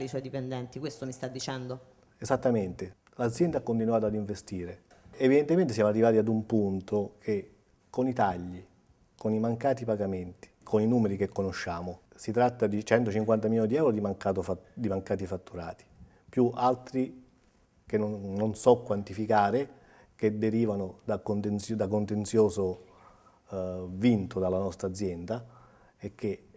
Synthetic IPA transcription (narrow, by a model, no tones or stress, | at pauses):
iswɔjd̪ipend̪ɛnt̪ikwest̪omist̪ad̪ːit͡ʃɛnd̪o | ezat̪ːament̪e | lad̪zjɛnd̪aakːont̪̬inwaːt̪oad̪iɱvest̪iːɾe | evid̪ent̪ement̪es̬amarːivaːt̪iad̪umpunt̪okʰe | konit̪aʎːi | konimaŋkaːt̪ipaɡament̪i̥kʰoninuːmeɾik̟ekːonoʃːaːmo | sit̪ɾat̪ːad̪it͡ʃɛnt̪ot͡ʃiŋkwant̪amilɔonid̪iɛwɾod̪imakaːt̪ofad̪imaŋkaːt̪̬ifat̪ːuɾaːt̪i̥ | pjuʔalt̪ɾi | kennːonsɔkːwant̪ifikaːɾe | ked̪eɾiːvanʊd̪akont̪ensd̪akont̪ent̪sjɔːzo | vint̪od̪alːanɔst̪ɾad̪zːjɛnd̪a | ek̟ːe